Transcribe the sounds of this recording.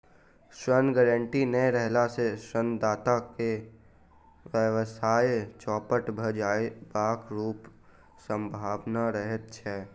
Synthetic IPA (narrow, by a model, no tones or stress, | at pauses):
ʃɾənɡɛɾə̃ɳʈinəjɾɛɦlaseʃɾənd̪aːt̪ake | ʋəʋəsaːjet͡ʃɔːpəʈbʱəd͡ʒaːebaːkɾuːp | sə̃mbʱaːʋnaɾəɦət̪̚t͡ʃʰɛː